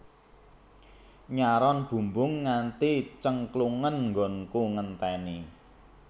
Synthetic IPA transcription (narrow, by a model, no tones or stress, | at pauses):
ɲaɾɔnb̥ṳmbʊŋːant̪it͡ʃəŋkluŋənŋɡɔ̤nkuŋənt̪ɛni